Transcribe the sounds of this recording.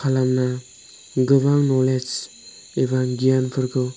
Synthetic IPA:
kʰalamna | ɡɯbaŋnɔled͡ʒ | ebaŋɡijanpʰɯɾɡɯ

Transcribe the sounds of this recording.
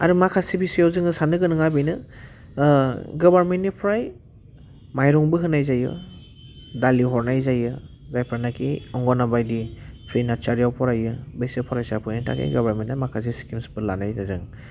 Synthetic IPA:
a̰ɾumakʰasibisijawzɯŋɯsanɯɡɯnɯŋabijnɯ | ɡɔbaɾmentnipʰɾaj | majɾɔŋbɯɦɯnːajzajɯ̰ | daliɦɔɾnajzajɯ | zajpʰɾanakiɔŋɡɔnabajdipʰɾinat͡ʃaɾjawpʰɔɾajɯbejsɯpʰɔɾajsapʰɯɾnitʰa̰kḛjɡɔbaɾmentːamakʰas̬iskimsbɯlanajdadɯŋ

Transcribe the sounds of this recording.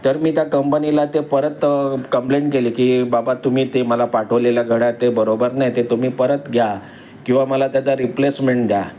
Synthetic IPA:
t̪əɾmiːt̪jakəmpənilat̪epəɾət̪kəmpleɳʈkeliːkiːbabat̪um̤iːt̪eməlapaʈʰəʋleljaɡʱəɽat̪ebəɾobəɾnajt̪et̪um̤iːpəɾət̪ɡʱja | kĩw̃ʋaməlat̪jad͡zaɾiplesmeɳʈd̪ʱja

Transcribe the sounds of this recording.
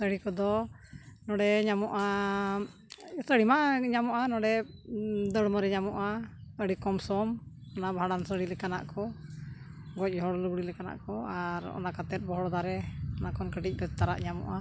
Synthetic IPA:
səɽikɔd̪ɔ | nɔɖɛɲamɔʔa | səɽimaɲamɔʔanɔɖɛ | d̪əɽməɾɛɲamɔʔaəɽikɔmsɔmɔnabʱaɽansəɽilɛkana̰ʔkɔ | ɡɔc̚ɦɔɽluɡɽilɛkana̰ʔkɔaɾɔ̰nakat̪ɛt̪̚bɔɦɔɽd̪aɾɛɔnakɔnkəʈic̚ˀbɛd͡ʒt̪aɾa̰ʔɲamɔ̰ʔa

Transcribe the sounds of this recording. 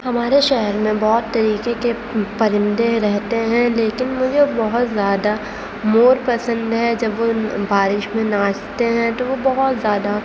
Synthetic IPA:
hɐmaːɾeʃɛɦɛɾmẽbɔɦt̪ːɐɾiːqeke | pɐɾɪ̃nd̪eɾɛɦt̪eɦɛ̃leːkɪnmʊd͡ʒʱebɐɦʊt̪zjaːd̪a | moːɾpɐsə̃nd̪ɦɛd͡ʒɐbʋobaːɾɪʃmẽnãːt͡ʃt̪eɦɛ̃t̪oʋobɐɦʊt̪zjaːd̪a

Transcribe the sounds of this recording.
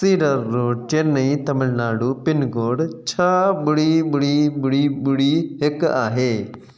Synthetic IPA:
siːɾəɾːoːt͡ʃeɾnɐĩt̪ɐmɪlnaːɽupɪnɡoːɽt͡ɕʰaːɓʊɽiɓʊɽiɓʊɽiɓʊɽiɦɪkaːɦeː

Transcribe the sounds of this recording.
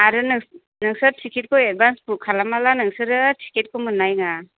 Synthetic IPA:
aɾɯnɯ | nɯŋsɯɾtʰikʰet̚kʰɯed̚banspukʰalamalanɯŋsɯɾɯtʰi̥kʰet̚kʰɯmɯnːajŋa

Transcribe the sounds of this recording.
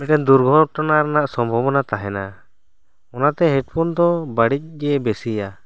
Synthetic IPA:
mɛʈɛnd̪uɾɡʱɔʈɔnaɾanaʔsɔmbʱɔbɔnat̪aɦɛna | ɔnat̪ɛɦɛʈ̚pʰɔnd̪ɔbaɽic̚ɡɛbɛsija

